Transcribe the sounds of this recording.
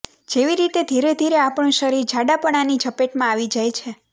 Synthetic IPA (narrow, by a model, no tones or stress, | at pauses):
d͡ʒeʋiɾit̪ed̪ʱiɾed̪ʱiɾeapəɳ̃ʃəɾiɾd͡ʒʱaɖapəɽ̃anid͡ʒəpeʈmãaʋid͡ʒajt͡ʃʰe